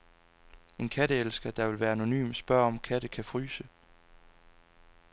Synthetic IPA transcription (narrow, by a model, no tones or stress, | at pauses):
e̝nkʰæɾ̥əelsɡ̥ɐd̥ɑ̈ʋe̝lʋæːɐæno̝ny̰ːmsb̥ɶɐ̰ɒ̽mkʰæɾ̥əkʰæfʁyːsə